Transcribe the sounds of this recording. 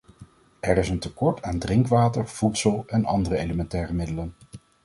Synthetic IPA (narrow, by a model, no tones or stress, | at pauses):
ɛɾɪsəntəkɔɹtʰaːndrɪŋkʋaːtəɹv̥utsəlˠɛnɑ̰ndərəejləmɛntɛːrəmɪdələn